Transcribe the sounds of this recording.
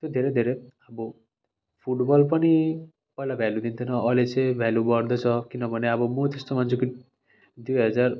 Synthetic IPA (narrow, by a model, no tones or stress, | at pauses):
t̪od̪ʱeɾed̪ʱeɾeabu | pʰuʈbɔlpʌni | pʌɦilabʱalud̪int̪ʰinɔːlet͡sebʱɛlubɔɾd̪ʱɔt͡sʰɔkinʌbʱʌneabɔmut̪esʈɔmand͡ʑʰuki | d̪ujɦʌd͡zaɾ